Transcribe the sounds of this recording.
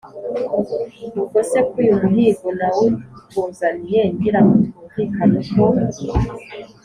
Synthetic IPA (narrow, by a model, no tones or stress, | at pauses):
nukosekujumuɦiːɡonawutuːnzanijeŋɡiɾamutuɱvikʰanuko